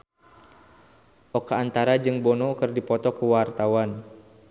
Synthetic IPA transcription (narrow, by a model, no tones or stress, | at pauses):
ʔɔkaːnt̪aɾad͡ʒɨŋbɔnɔkɨrdipɔt̪ɔkəwart̪awan